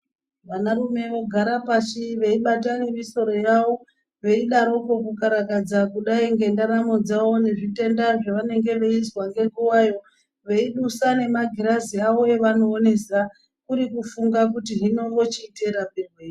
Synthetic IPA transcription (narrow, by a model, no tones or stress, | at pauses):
ʋanarume̞ʋo̞ɡʱaɾapat͡ʃiʋe̞iɓat̬ane̞miso̞ɾo̞jaʋo̞ | ʋe̞iɗaɾo̞ko̞kukaɾakad͡zakuɗaiŋɡe̞ndaɾamod͡zawo̞neʐite̞ndaʐeʋane̞ŋɡe̞ʋe̞izwaŋɡe̞ŋɡuwajo̞ | ʋe̞iɗusane̞maɡʱiɾaziaʋo̞e̞ʋano̞ːne̞sa | kuɾikufuŋɡak̬utiɦino̞ŋɡo̞t͡ʃiːte̞ɾamberwei